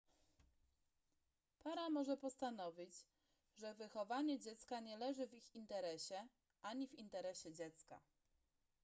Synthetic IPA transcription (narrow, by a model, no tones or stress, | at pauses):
paɾamɔʐɛpɔst̪anɔvʲid͡ʑ | ʐɛvɘxɔvaɲɛd͡ʑɛt̪skaɲɛlɛʐɘvixint̪ɛɾɛɕɛ | ʔaɲivint̪ɛɾɛɕɛd͡ʑɛt̪ska̰